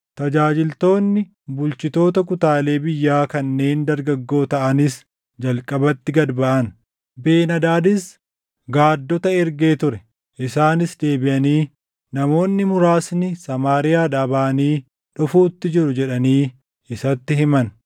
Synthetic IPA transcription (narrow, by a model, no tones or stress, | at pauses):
t̪ɐd͡ʒaːd͡ʒɪlt̪o̞ːnːɪ | bʊlt͡ʃɪt̪o̞ːt̪ɐk̬ʊt̪aːle̞ːbɪjːaːkɐnːe̞ːnd̪ɐɾɡɐɡːo̞ːt̪ɐʔɐnɪs | d͡ʒɐlkʼɐbɐt̪ːɪɡɐd̪bɐʔɐn | be̞ːnɐd̪aːd̪ɪs | ɡaːd̪ːɔt̪ɐɛɾɡe̞ːt̪ʊɾɛ | ʔɪsaːnɪsd̪e̞ːbɪʔɐniː | nɐmo̞ːnːɪmʊɾaːsnɪsɐmaːɾɪjaːᶑaːbaːɐniː | ᶑʊfuːt̪ːɪd͡ʒɪɾʊd͡ʒɛᶑɐniː | ɪsɐt̪ːɪhɪmɐn